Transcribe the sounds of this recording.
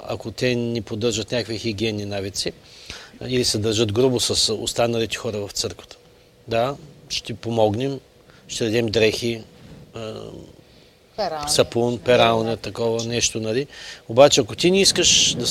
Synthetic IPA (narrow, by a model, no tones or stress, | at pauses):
ɐ̰kot̪ɛnipod̪ɤɾʒət̪nʲakkvixiɡiɛnːinavit̪si | ilisɛd̪ɐɾʒəd̪ɡɾubʊsɐso̰st̪anɐlit̪ɛ̥xɔɾəvɐft̪sɤɾkvə̥t̪ə̥ | d̪aʃt̪ipomɔɡnɛm | ʃt̪ɛd̪ɐd̪ɛmd̪ɾɛxi | sɐpunpɛɾalˠnʲət̪ɐkɔvənɛʃt̪onɐliobat͡ʃɛɐkot̪iniiskəʃd̪ɐ